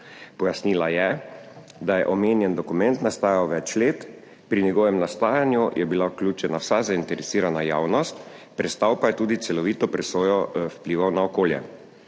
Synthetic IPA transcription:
pɔjasniːlajɛ | d̪ajɛʔɔmeːnjɛnd̪ɔkumɛnt̪nast̪aːjawʋɛt͡ʃleːt̪ | pɾinɛɡɔːʋɛmnast̪aːjanjujʔɛbilawklʲuːt͡ʃɛnawsazaint̪ɛɾɛsiːɾanajaːwnɔst̪pɾɛt̪st̪awpajɛt̪uːd̪it̪sɛlɔʋiːt̪ɔpɾɛsoːjɔwpliːʋawnaɔkoːljɛ̰

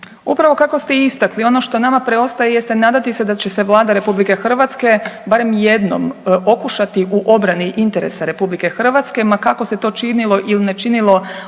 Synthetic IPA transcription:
upɾaʋo̞kako̞st̪eist̪aklio̞no̞ʃt̪o̞namapɾe̞o̞st̪ajejest̪enaːd̪at̪ise̞d̪at͡ɕeseʋlˠaːd̪aɾe̞publike̞xr̩ʋat̪ske̞baɾe̞mje̞d̪no̰mo̞kuʃat̪iʔuʔo̞bɾaniʔint̪e̞ɾe̞̰saɾe̞publike̞xr̩ʋat̪ske̞makako̞se̞t̪o̞ːt͡ʃinilo̞ʔilinet͡ʃinilo̞

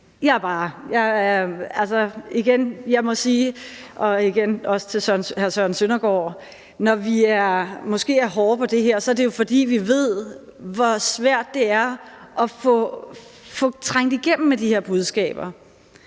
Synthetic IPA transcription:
jɑ̈b̥ɑ̈ːjɑ̈ɪælsɒiɡ̥enjɑ̈ɪmɒ̽siːʔɒ̽iɡ̥enɒ̽sə̥t͡sʰe̝lsœɐnhæɐsœɐn̩sønɐɡ̥ɒ̰ | nɒʋiæɐmɒ̽sɡ̥e̝̰ːæɐɦɒːpʰɒ̽d̥e̝ɦeɐ̰sɒ̽æɐd̥ejo̝fɒ̽d̥ḭːʋiʋe̝ð̞̰ˠʋɒsʋæɐ̰d̥ːe̝æɐʔɒ̽fɔ | fɔ̽t͡sʰʁaŋ̰d̥iɡ̥em̰m̩med̥ihe̝ɐ̰b̥uð̞ˠsɡ̥ɛ̰ːb̥ɐ

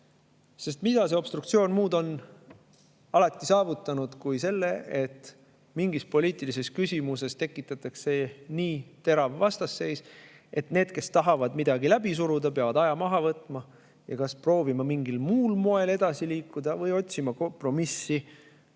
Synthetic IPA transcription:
se̞st̪mid̪̥ɑse̞o̞b̥st̪ɾukt̪sio̞ːnmuːd̪o̞n | ɑlɑt̪ˑːisɑːvut̪ːˑɑnud̪̥kujse̞lːe̞et̪ːˑ | miŋɡispo̞lʲiːt̪ˑilise̞skysʲimuse̞st̪e̞kːˑit̪ːˑɑt̪ˑːɑkse̞niːt̪e̞ɾɑvvɑst̪ɑsːe̞js | e̞t̪ne̞ːd̪ke̞st̪ɑɦɑvɑd̪mid̪̥ɑɡilæbis̬uɾud̪̥ɑpeɑvɑd̪̥ɑjɑmɑɦɑvɤt̪ːˑmɑ | jɑkɑspro̞ːvimɑmiŋɡ̥ilmuːlmo̞e̞le̞d̪̥ɑsiliːkːˑud̪̥ɑvɤjo̞t̪ʲsimɑko̞mpro̞misːi

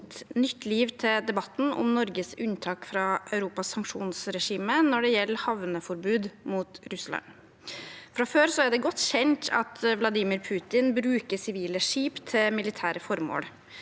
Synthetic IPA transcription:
t̪nʏt̪ʰːliːʋt̪ʰɪd̪ɛbɑt̪ːn̩ɔ̰mnɔɾɡəsʉnt̪ʰɑːkfɾɑʔœʉɾuːpɑsːɑŋkʂṵːnsɾɛʂiːmənɔɖɛjɛlːəhɑʋnəfɔɾbʉːd̪muːt̪ɾʉslɑ̰n | fɾɑføːɾsɔæɖɛɡɔt̪ːçɛnt̪ʰɑ̰t̪ʰʋlɑd̪iːmɪɾpʰʉːt̪ɪnbɾʉːkəsɪʋiːləʂiːpt̪ʰːɪmɪlɪt̪ʰæːɾəfɔɾmo̰ːɽ

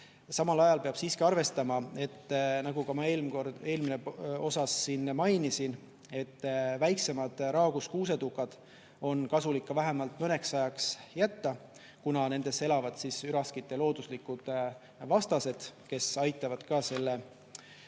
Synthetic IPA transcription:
sɑmɑlɑjɑlpe̞ɑb̥siːskiɑrve̞st̪ɑmɑe̞t̪ːnɑɡ̥ukɑmɑeːlmkore̞ːlmineo̞sɑsːiːnːmɑjnisin | e̞t̪ːvæjkse̞mɑd̪̥ɾɑːɡ̥uskuːse̞d̪ukːˑɑd̪̥ | o̞nkɑsulikːɑvæɦe̞mɑlt̪mɤne̞ksɑjɑksjæt̪ːɑ | kunɑne̞nd̪̥e̞se̞lɑvɑd̪̥sisyɾɑskit̪ːˑe̞lo̞ːd̪̥uslikːud̪̥ | vɑst̪ɑse̞d̪̥ke̞sɑjt̪ːˑɑvɑd̪̥kɑːse̞lːe

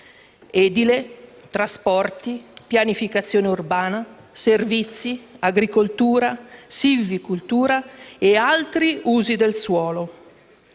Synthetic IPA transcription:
ɛːd̪ilet̪ɾaspɔrt̪ipjanifikat̪sːjoːneurbaːna | servit̪sːiaɡɾikolt̪uːɾasivːikult̪uːɾaealt̪ɾiuːzid̪elswɔːlo

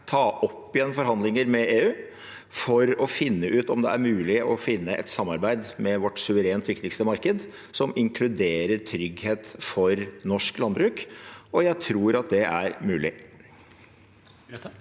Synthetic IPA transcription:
t̪ʰɑːʔɔpːɪjɛnfɔɾɦɑnd̪lɪŋəɾmɛʔeːʉː | fɔɾɔfɪnːəʔʉːt̪ɔmd̪ɛ̰æɾmʉːlɪʔɔfɪnːəʔɛ̰t̪sɑmːɑɾbæɪd̪mɛʋɔʈːsʉʋəɾeːnt̪ʋɪkt̪ɪkst̪əmɑɾkəd̪ | sɔmɪŋkʰlʉd̪eːɾəɾt̪ʰɾʏɡheːt̪fɔɾnɔʂklɑnbɾʉːkɔjæɪt̪ʰɾuːɾɑt̪̚d̪ɛʔæɾmʉːlɪ̰

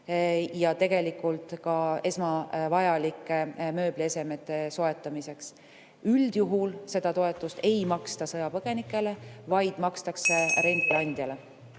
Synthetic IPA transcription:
jɑt̪e̞ɡ̥e̞likːˑult̪ˑkɑe̞smɑvɑjɑlikːˑemø̞ːb̥lie̞se̞me̞t̪ːˑe̞so̞e̞t̪ːˑɑmise̞ks | yld̪̥juɦulse̞d̪̥ɑt̪o̞e̞t̪ːˑust̪e̞jmɑkst̪ɑsɤjɑpɤɡ̥e̞nikːˑe̞le̞vɑjd̪̥mɑkst̪ɑkseɾe̞nɡ̪̥ilɑnʲd̪̥jɑle̞

